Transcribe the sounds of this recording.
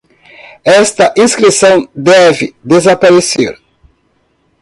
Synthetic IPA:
ɛst̪ɐʔĩskɾisɐ̃w̃d̪ɛvɪ̰d̪ezapaɾeseɾ

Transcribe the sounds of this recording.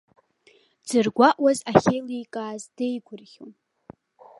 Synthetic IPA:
d͡zɨrɡʷaʔwazaχʲejlijkʼaːzdejɡʷʊrχʲom

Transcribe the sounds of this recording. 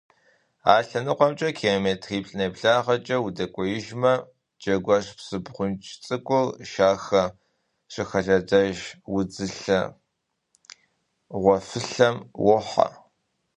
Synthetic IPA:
aːɬɐnɨqʷɔmt͡ʃʼɐkʰemeːtʰxiːpɬʼɨneːpɬaːʁɐt͡ʃʼɐwudɐkʷʼɔjɪʒmɐ | d͡ʒɐɡʷɐʂpsɨbʁʷʊnt͡ʃʰʼt͡sʼɨkʷʼʊlʃaːxɐ | ʂɪxɐɮɐdɐʒwʊd͡zɨɬɐ | ʁʷɔfɨɬɐmwʊħa̰

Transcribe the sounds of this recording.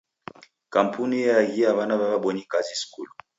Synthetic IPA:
kam̩punijaɣiaβanaβaβaɓɔɲikaziskulu

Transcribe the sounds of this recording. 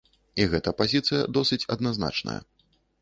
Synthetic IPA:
iɣɛt̪ɐpazʲit̪sɨjɐ̰d̪ɔsɨt͡sʲɐd̪nazna̰t͡ʂnɐ̰jɐ̰

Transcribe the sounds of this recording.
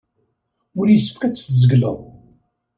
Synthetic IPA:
ʊɾjəsːəfkæt͡sːzəɡlə̰ðˤ

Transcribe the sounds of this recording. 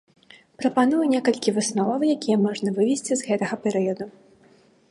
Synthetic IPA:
pɾɐpan̪ujunʲekɐlʲkʲivɨsnɔvɐwjakʲijɐmɔʐnɐvɨvʲɛsʲt͡sʲizɣɛt̪ɐɣɐpʲɛɾɨjɐd̪u

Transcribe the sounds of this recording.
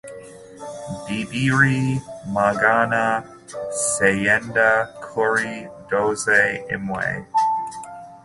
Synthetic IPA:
dibiɹimaɡanə | sejɛndəkʰʊɹidoʊzeɪ̰mwḛɪ

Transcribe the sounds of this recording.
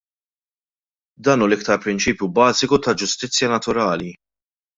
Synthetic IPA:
d̪ɐːnuːlɪk̚t̪ɐɾpɾɪnt͡ʃiːpjubɐːzɪkut̪ɐd͡ʒʊst̪ɪt͡sːjɐnɐt̪ʊɾɐːli

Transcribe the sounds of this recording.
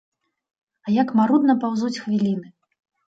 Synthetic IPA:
ajakmaɾud̪nɐpawzut͡sʲxvʲilʲinɨ

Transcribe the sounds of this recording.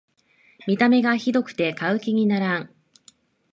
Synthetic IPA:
mʲit̪ame̞ɡaçid̪o̞kɯ̟̥t̪e̞kaɯ̟kʲiɲ̟inaɾãŋ

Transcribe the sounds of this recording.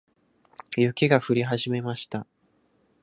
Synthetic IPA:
jɯ̟kʲiɡaɸɯ̟ɾʲiɦaʑime̞maɕi̥t̪a

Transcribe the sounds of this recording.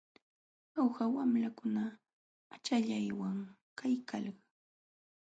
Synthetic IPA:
awɢawamlakʊna | at͡ʃaʎajwaŋ | kajkalɢɑ

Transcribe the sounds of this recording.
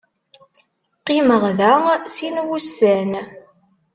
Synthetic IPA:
qiməʁðæsinwusːæn

